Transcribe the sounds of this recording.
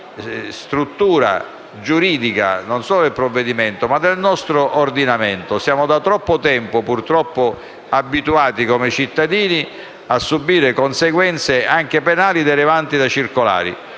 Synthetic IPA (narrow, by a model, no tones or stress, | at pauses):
st̪ɾut̪ːuːɾa̰ | d͡ʒuɾiːd̪ika̰nonsɔːlod̪elpɾɔvːed̪imɛnt̪omad̪ːelnɔst̪ɾoʔːrd̪inamɛnt̪osjaːmʊd̪at̪ɾɔpːʊt̪ɛmpʊpurt̪ɾɔpːʊ | abːit̪uaːt̪ikomet͡ʃit̪ːad̪iːni | asːubːiːɾekonseɡwɛnt̪seaŋk̟epenaːlid̪ɛɾɪvant̪id̪at͡ʃirkola̰ːɾḭ